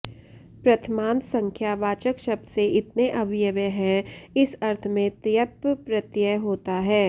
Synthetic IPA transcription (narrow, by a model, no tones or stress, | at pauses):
pɾɐt̪ʰmãːnd̪sɐ̃ŋkʰjaːʋaːt͡ʃəkʃɐb̚d̪seʔɪt̪neʔɐʋjəʋjəɦɛ̃ɪsɐɾt̪ʰmẽt̪jəppɾɐt̪jəɦoːt̪aɦɛː